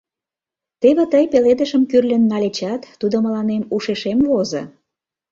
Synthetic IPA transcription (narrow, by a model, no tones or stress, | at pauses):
t̪eβet̪əjpeled̪ə̆ʃəmkyrlʲə̆nːɑlet͡ɕɑt̪ːud̪oməlɑnemuʃeʃemvozŏ̰